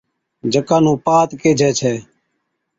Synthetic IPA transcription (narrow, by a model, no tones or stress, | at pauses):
d͡ʒʱəkãːnũːpaːt̪keːd͡ʒʱɛːt͡ʃʰɛː